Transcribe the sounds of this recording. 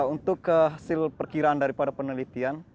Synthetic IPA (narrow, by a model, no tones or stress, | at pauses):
unt̪ʊkːəɦasɪlpərkiɾaːndaɾipadapənəlit̪ian